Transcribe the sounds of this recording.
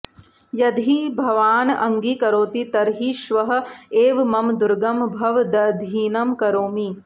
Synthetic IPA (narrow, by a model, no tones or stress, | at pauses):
jɐd̪ʱibʱɐʋaːnɐŋɡikɐɾoːt̪it̪ɐɾɦiʃʋɐɦɐ̆eːʋmɐmd̪uɾɡɐmbʱɐʋd̪ɐd̪ʱiːnɐmkɐɾoːmi